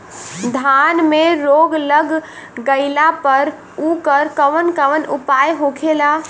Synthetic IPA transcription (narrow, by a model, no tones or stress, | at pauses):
d̪ʱanmeɾoɡləɡɡəɪlapəɾ | ukəɾkəʋənkəʋənupajɦokʰela